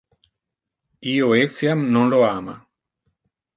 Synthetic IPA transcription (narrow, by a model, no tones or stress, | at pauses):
ioeksjamnõnloama̰